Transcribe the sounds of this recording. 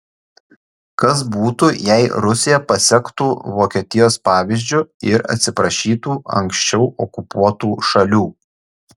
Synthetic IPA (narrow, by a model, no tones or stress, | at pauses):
kɐs̬buːt̪uːjɛɪɾʊsʲɪjɛpɐsʲɛkt̪uːʋoːkʲiɛt̪ʲɪjoːspɑːʋʲɪzʲd͡ʒʲʊɪɾɐ̰t̪ʲsʲɪpɾɐʃʲiːt̪uːɐ̰ŋksʲt͡ʃʲɛʊʔɔkʊpuɔt̪uːʃɐlʲuː